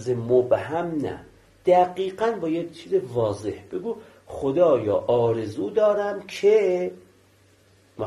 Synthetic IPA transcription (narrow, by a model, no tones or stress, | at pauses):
zemobhæmnæ̰ | d̪̥æɡiːɢænbɒːjet͡ʃʰiːzevɒːzehb̥eɡuː | xod̪ɒːjɒ̰ːʔɒːɾezuːd̪ɒːɾæmkʰe | m